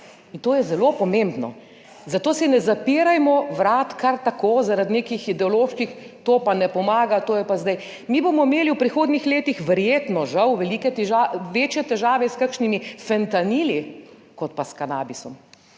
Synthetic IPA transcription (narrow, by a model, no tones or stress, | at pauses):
int̪oːjɛzɛloːpɔmembnɔ̰ | zat̪oːsɛnɛzapiːɾajmɔʋɾaːt̪kaɾt̪akoːzaɾad̪neːkixid̪ɛɔloːʃkixt̪oːpanɛpɔmaːɡat̪oːjɛpazd̪aj | miːbomɔimeːliwpɾixoːd̪nixleːt̪ixʋɛɾjeːt̪nɔʒawʋɛliːkɛt̪ɛʒaʋeːt͡ʃjɛt̪ɛʒaːʋɛskakʃnimifɛnt̪aniːlikɔt̪̚paskanaːbisɔm